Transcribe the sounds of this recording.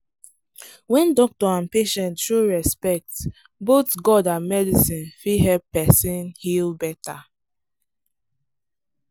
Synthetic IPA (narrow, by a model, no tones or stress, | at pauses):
wɛ̃ndɔk̚tɔãnpeʃɛ̃ntʃoɹɛspɛk̚t | botɡɔdãnmɛdisĩnfiɦɛlpːɛsĩnhilbɛta